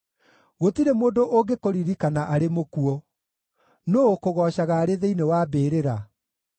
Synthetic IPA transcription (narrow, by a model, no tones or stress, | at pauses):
ɣotiɾemoːndoʔoɡekoɾiɾikanaʔaɾemokuɔ | noːkoɣɔːɕaɣaːɾeðeinewaːbeːɾeɾa